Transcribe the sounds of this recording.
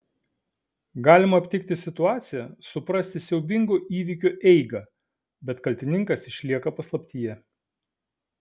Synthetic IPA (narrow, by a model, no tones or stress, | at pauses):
ɡɑːlʲɪmɐːpʲt̪ʲɪkt̪ʲɪsʲɪt̪ʊɑːt̪sʲɪjɛsʊpɾɐsʲt̪ʲɪsʲɛʊbʲɪŋɡʊʔiːʋʲɪkʲʊʔɛɪɡɐ | bʲɛt̪kɐlʲt̪ʲɪnʲɪŋkɐsɪʃʲlʲiɛkɐpɐslˠɐpʲt̪ʲijɛ